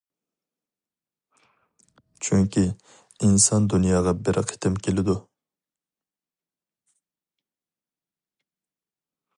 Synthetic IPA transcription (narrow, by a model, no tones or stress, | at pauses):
t͡ʃʰyŋkʲi | insɑnd̪unjɑːʁɑbɪɾqʰe̥t̪ʰɪmkʲʰelɪd̪u